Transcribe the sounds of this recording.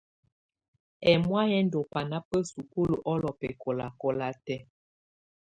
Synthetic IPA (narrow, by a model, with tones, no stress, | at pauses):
ɛ˨mwa˦jɛ˦n˦do˨pa˨na˦pə˦su˨ku˦lu˨ʔɔ˦lɔ˨pɛ˨kʰɔ˨la̰˨kɔ˦la˦tɛ˦